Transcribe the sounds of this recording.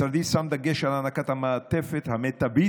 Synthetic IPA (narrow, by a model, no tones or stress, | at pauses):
aɾd̪isãmd̪aɡeʃalanakat̪hamaːt̪efet̪hamet̪ːabi